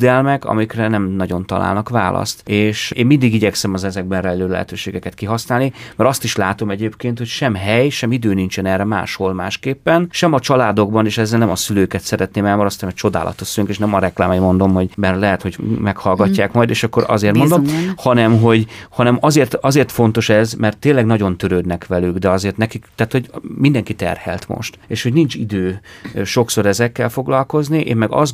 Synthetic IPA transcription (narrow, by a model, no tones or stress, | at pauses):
d̪ɛlmɛkɒ̰mikrɛnɛmnɒɟo̞nt̪ɒla̰ːlnɒkʋa̰ːlʔɒ̰st̪eːʃeːmind̪iɡiɟɛksɛmɒzɛzɛɡ̚bɛnrɛløːlɛɦɛ̰t̪øːʃeːɡɛkɛt̪kiɦɒsnaːlnimɛɾɒst̪iʃlaːt̪o̞mɛɟeːpkeːnt̪hocʃɛmɦɛjʃɛmid̪øːnint͡ʃɛnɛrɛma̰ːʃholma̰ːʃkeːpːɛnʃɛmɒt͡ʃɒlaːd̪o̞ɡbɒneːʃɛzːɛlnɛmɒsyløːkɛt̪sɛɾɛt̪neːmɛlmoɾost̪ːɛmɛt͡ʃo̞d̪a̰ːlʔɒ̰t̪oʃsyløŋkeːʃnɛmɒɾɛkla̰ːmjmo̞nd̪o̞mɦo̞ɟbɛrlɛɦɛt̪ho̞ɟmɛkhɒlɡɒcːaːkmɒjd̪eːʃɒkːoɾɒ̰zeːrt̪mnd̪ohɒnɛmɦo̞ɟhɒnɛmɒzeːrt̪ɒzeːrt̪fo̞nt̪o̞ʃɛzmɛrt̪ːeːnlɛɡnɒɟo̞nt̪øɾøːd̪nɛkʋɛlyɡd̪ɛɒzeːrt̪nɛkikt̪aːt̪ho̞ɟmind̪ɛŋkit̪ɛ̰rhɛ̰lt̪mo̰ʃt̪eːʃho̞ɟnint͡ʃid̪øːʃo̞kso̞ɾɛzɛkːɛlfo̞ɡlɒlko̞zniʔḛːmmɛɡɒ̰z